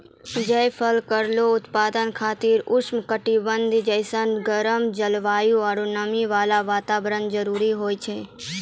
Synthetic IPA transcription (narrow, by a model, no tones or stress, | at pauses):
d͡ʒəpʰəlkəɾloʊt̪paːd̪ənkʰaːt̪iɾʊʃmkəʈibənd̪ʱd͡ʒəɪsənɡəɾəmd͡ʒəlʋaːjũaɾunəmiʋaːlaʋaːt̪aːbɾənd͡ʒəɾuːɾiɦoːjt͡ʃʰeː